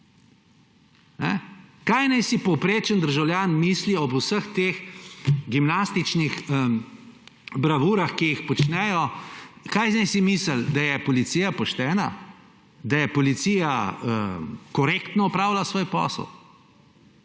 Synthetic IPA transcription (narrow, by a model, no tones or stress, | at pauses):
nɛ̰kajnajsipɔwpɾeːt͡ʃənd̪əɾʒawljaːnmiːsliɔbusəxt̪eːxɡimnast̪it͡ʃnixə | bɾaʋuːɾaxkijixpɔt͡ʃnɛjɔkajnajsimisəld̪ajɛpɔlit̪sijapɔʃt̪ɛːna | d̪ajɛpɔlit̪siːjaəkɔɾekt̪nɔɔpɾaːwlasʋoːjpɔ̰ːsə̰w